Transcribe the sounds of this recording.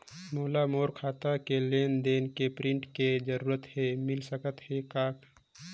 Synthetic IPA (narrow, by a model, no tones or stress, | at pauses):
moːlamoːɾkʰaːt̪akeleːnd̪eːnkepɾɪ̃ɳʈked͡ʒəɾuːɾət̪hemɪlsəkət̪hekaːk